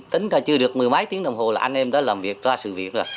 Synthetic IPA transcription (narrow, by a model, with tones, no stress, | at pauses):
t̪ï˨˦ŋ̟taː˧˩t͡ɕɨ˧əɗɨ˨˩ək̚mɨ˨˩əjma˨˦jt̪i˨˦əŋɗə˨˩wŋ͡mɦo˨˩laː˨˩ʔa˧nʔɛ˧mɗɔ˨˦laː˨˩mvi˨˩ək̚zaː˧sɨ̰˧˨vḭ˧˩ən̚zo˨˩j